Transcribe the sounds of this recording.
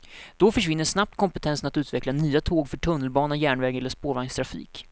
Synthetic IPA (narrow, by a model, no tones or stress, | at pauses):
d̪̥ɔfœʂvɪnːəʂnap̚t̪kʰɔmpɛt̪ʰɛnsənat̪ʉ̟ːt̪vɛklanyːat̪ʰoːɡfœʈʰɵnːəlbɑːnajæːɳvɛːɡɛlːəʂpoːɾvaŋst̪ʰɾafḭːk